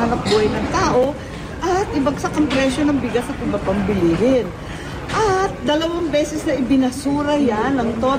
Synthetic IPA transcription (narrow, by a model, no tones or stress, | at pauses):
aɾɐp̚buːɐjnɐŋt̪aːʔo̞ | ʔɐt̪̚ʔɪbɐɡ̚sɐkɐmpɾɛʃonɐŋbɪɡasɐp̪ɪbapɐmbɪliːɦɪn | ʔɐt̪̚d̪ɐlɐwaŋbɛːsɛsnɐʔɪbɪnɐsuːɾɐjanːɐŋt̪o̞